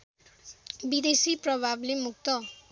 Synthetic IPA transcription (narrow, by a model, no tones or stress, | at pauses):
bid̪esiprʌbʱablemuk̚t̪ʌ